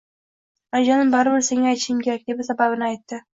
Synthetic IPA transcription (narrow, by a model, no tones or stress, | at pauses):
aɾd͡ʒanɪmbaɾɪbɪɾse̞ŋaajt̪ʃɪmkʲʰe̞ɾak̚ʲd̪e̞basababɪnɪajt̪ːɪ